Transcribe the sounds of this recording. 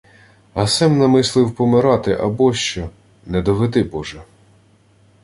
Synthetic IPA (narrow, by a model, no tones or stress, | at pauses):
ɐsɛmnɐmɪslˠɪwpɔmɪɾɑt̪ɪʔɐbɔʃt͡ʃɔ | nɛd̪ɔʋed̪ɪbɔʒɛ